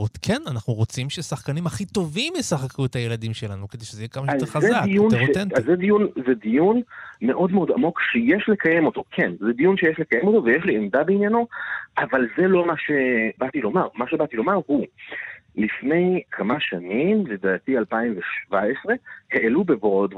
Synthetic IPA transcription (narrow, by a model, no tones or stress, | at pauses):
ot̪kʰenanaχnuʁo̞t͡simʃesaχkanimhaχit̪o̞vimisaχakʰuethaje̞ladimʃe̞lanuke̞d̪e̞jʃezejekamaʃaeazedaijunʁot̪enazːed̪ijunzed̪ijunme̞ʔo̞d̪meo̞d̪a̰mo̞kʃejeʃle̞kʰaje̞mo̞t̪o̞kʰenzed̪ijunʃejeʃle̞kajemo̞tovejeʃliemd̪abeinjano̞ʔavalzelo̞maʃebat̪ilo̞maʁmaʃebat̪ilo̞maʁhu | lifne̞jkʰamaʃanimled̪aːt̪ialpaimveʃvaesʁe̞heʔelubevod̪